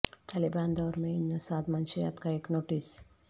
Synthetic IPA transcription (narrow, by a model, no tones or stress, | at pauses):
t̪ʰaliband̪ɔːɾmẽinːəsad̪manʃeja̰t̪kaeknoʈis